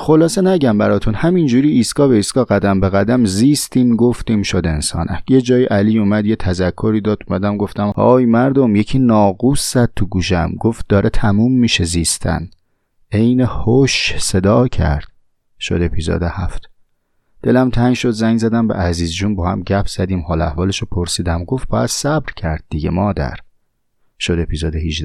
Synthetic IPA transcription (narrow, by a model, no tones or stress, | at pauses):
xo̞lɒːsenæɟæmbæɾɒːt̪ʰunhæmind͡ʒuːɾiːsɡɒːbeiːsɡ̥ɒːɡæd̪æmbeɣæd̪æmziːst̪iːmɡo̞ft̪iːmʃod̪e̞nsɒ̰ːnʔæjed͡ʒɒːjiʔæliːuːmæd̪jet̪ʰæzækʰːo̞ɾiːd̪ɒːd̪umæd̪æmɡo̞ft̪æmɒ̰ːjmæɾd̪o̞mjecʰiːnɒːɡuːsz̥æd̪̥̚t̪ʰuɡuːʃ̬emɡo̞ft̪̚d̪ɒːɾʔet̪ʰæmuːmːiːʃeziːst̪ʰæ̰n | e̞jnehoʃse̞d̪ɒːcʰæ̰ɾd̪̥ | ʃo̰d̪e̞pʰizo̰ːd̪ehæft̪ | d̪̥e̞læmt̪ʰæŋʃo̞d̪zæŋzæd̪æmbḛʔæziːzd͡ʒuːnbɒːhæmɟæpʰz̥æd̪iːmhɒːlæhvɒːleʃopʰoɾsiːd̪æmɡo̞ft̪̚bɒːæd̪̥sæbɾcʰæɾd̪̥̚ːiɟemɒːd̪æ̰ɾ | ʃod̪e̞pʰiːzoːd̪ehiʒd̪æ